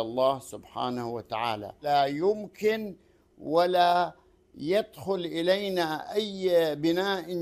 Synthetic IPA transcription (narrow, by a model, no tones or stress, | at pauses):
ɑlˤːɑːhsʊbħa̰ːnahwat̪aʕa̰ːla̰lajʊmkɪn | wala | jad̪xʊlʔɪlajnaʔajbɪnaːʔɪ